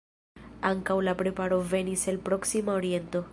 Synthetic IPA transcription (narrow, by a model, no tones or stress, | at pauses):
aŋkawlapɾe̞paɾo̞ve̞niselpɾo̞ksimaoɾie̞nto̞